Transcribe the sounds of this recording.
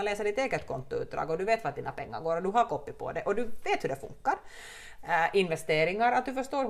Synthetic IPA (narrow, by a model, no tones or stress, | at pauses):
nleːsəɖɪt̪eːɡət̪kʰɔnt̪ʊʉ̰ːd̪ɾɑ̰ːɡɔd̪ɵveːt̪ʋad̪iːnapʰɛŋːa̰ɾɡoːɾɔd̪ɵɦaɾkɔpːɪpʰɔ̰d̪ɛʔɔd̪ʉveːt̪hɵɖɛfɵ̰ŋkːaɾ | ʔɪnvɛst̪eːɾɪŋaɾat̪̚d̪ɵfœʂʈ̪oːɾ